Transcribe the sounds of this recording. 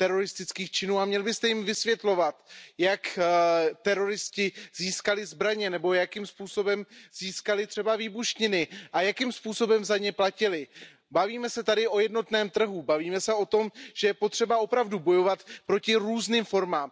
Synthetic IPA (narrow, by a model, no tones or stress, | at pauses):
t̪ɛɾo̞ɾɪst̪ɪt͡skiːxt͡ʃɪnuːamɲɛlbɪst̪ɛjɪmvɪsvjɛt̪lo̞vat̪jak | t̪ɛɾo̞ɾɪscɪziːskalɪzbɾaɲɛnɛbo̞jakimspuːso̞bɛmz̥iːskalɪt̪r̝̥ɛbaviːbuʃɲɪnɪʔajakimspuːso̞bɛmzaɲɛplacɪlɪ | baviːmɛsɛt̪adɪʔo̞jɛdno̞t̪nɛːmt̪r̩ɦubaviːmɛsɛo̞t̪o̞mʒ̥ɛjɛpo̞t̪r̥ɛbao̞pɾavdubo̞jo̞vat̪pɾo̞cɪɾuːzniːmfo̞ɾmaːm